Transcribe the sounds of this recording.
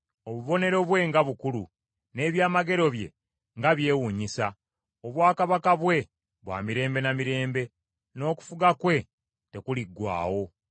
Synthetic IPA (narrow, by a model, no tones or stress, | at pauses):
o̞βuβo̞ne̞ɾo̞βwe̞ŋɡaβukulu | ne̞ːβjaːmaɡe̞ɾo̞βje̞̰ | ŋɡaβje̞ːwuːɲisa | oβwaːkaβakaβwe̞ | βwa̰ːmiɾe̞ːmbe̞namiɾe̞ːmbe̞ | no̞ːku̥fuɡakwe̞ | te̞kuliɡːwa̰ːwo̞